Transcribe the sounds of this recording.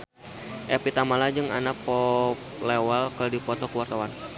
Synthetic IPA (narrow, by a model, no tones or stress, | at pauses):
ʔɛpit̪amalad͡ʒɨŋa̰napɔplewalkədipɔt̪ɔkəwart̪awan